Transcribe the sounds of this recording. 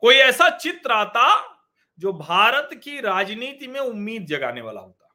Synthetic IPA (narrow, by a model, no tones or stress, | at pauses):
koːiɛːsat͡ʃɪt̪ɾaːt̪a | d͡ʒoːbʱaːɾət̪kiɾaːd͡ʒniːt̪imẽʊmːiːd̪̚d͡ʒɐɡa̰ːneʋa̰ːla̰ɦoːt̪a